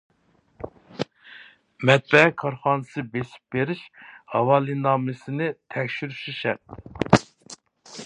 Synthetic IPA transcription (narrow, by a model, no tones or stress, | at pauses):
mɛt̪̚bɛɛkʰɑɾχɑːnɨsɨbesi̥p̚beɾiʃhɑwɑːlˠɨnɑːmɨsɪnɪt̪ʰɛkʲʃyɾyʃiʃɛɾt̪